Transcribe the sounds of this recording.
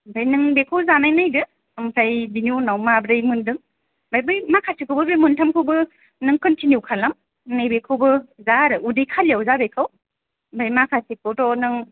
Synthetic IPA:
bajnɯŋbekʰɯwzanajnajdɯ | mkʰajbinunawmabɾɯjmɯndɯŋ | bajbɯjmakʰasikʰɯbɯbɯjmɯntʰamkʰɯwbɯ | nɯŋkɔntinjukʰalam | nɯjbekʰɯwbɯzaɾɯudijkʰalijawzabekʰɯw | bajmakʰasik̚ʰowdɔnɯŋ

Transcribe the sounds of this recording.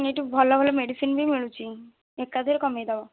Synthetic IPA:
neʈubʱɔlabʱɔlɔmeɖisinbimiɭut͡ɕʰi | ekːad̪ʱeɾkɔmed̪aʋa

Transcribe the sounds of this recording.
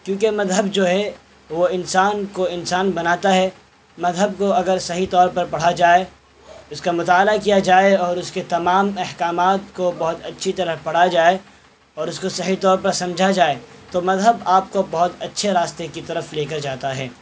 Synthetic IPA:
kjũːkemɐzɦəbd͡ʒoːɦɛ | ʋoɪnsaːnkoɪnsaːnbɐnaːt̪aɦɛː | mɐzɦəb̚koɐɡəɾsɐɦit̪ɔːɾpɐɾpɐɽ̤ad͡ʒaːe | ʊskamʊt̪aːlakijad͡ʒaːeɔːɾʊsket̪ɐmaːmɛhkaːmaːt̪kobɐɦʊt̪ɐtːʃʰit̪ɐɾəɦpɐɽ̤ad͡ʒaːe | ɔːɾʊskosɐɦit̪ɔːɾpɐɾsɐ̃md͡ʒʱad͡ʒaːet̪omɐzɦəbaːp̚kobɐɦʊt̪ɐtːʃʰeɾaːst̪ekit̪ɐɾəfleːkəɾd͡ʒaːt̪aɦɛ̰ː

